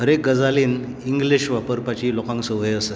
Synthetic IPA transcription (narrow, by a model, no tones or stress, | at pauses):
ɦəɾek̚ɡəd͡zaliːn | iŋɡliɕʋapəɾpat͡ɕiːlokãŋksəʋeəsə